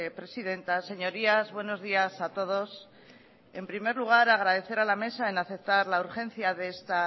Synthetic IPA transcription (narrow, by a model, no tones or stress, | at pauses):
pɾe̞siðe̞nt̪ase̞ɲo̞ɾiazβwe̞no̞zðiasat̪o̞ð̞o̞s | e̞mpɾime̞ɾluɣ̞aɾaɣ̞ɾað̞e̞θe̞ɾalame̞sae̞naθe̞p̚t̪aɾlauɾxẽ̞n̟θjaðeest̪a